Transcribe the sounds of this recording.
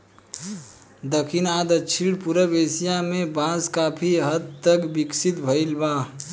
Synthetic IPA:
d̪əkʰinaːd̪ət͡ʃʰiɽpuɾəbeːsijãmẽbãːskaːpʰiɦəd̪̚t̪əkbɪksit̪bʱəilbaː

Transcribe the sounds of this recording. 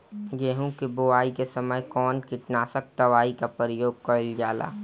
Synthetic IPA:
jeɦũkeboaːikesɐməjkɔːnkɪʈnaːsək̚d̪ɐʋaːikapəɾəjoːɡ̚kəld͡ʒaːla̰ː

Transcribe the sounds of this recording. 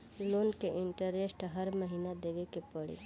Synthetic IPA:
loːnkeʔɪɳʈəɾesʈɦɐɾməɦiːnad̪eːʋekepəɽḭ

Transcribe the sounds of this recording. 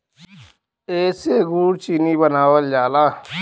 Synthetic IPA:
eːseɡuːɽt͡ʃinibənaːwəld͡ʒaːlaː

